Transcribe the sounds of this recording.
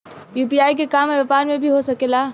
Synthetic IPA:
jup̬iajk̬ekameʋapaɾmebʱiɦosəkela

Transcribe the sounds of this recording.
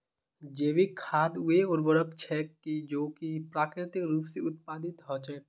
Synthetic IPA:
d͡ʒeːʋikʰaːd̪ʊeʊɾbəɾəkt͡ʃʰɛkid͡ʒoːkipɾaːkɾɪt̪ɪkɾuːpseʊt̪̚paːd̪ɪt̪ɦɔt͡ʃɛ

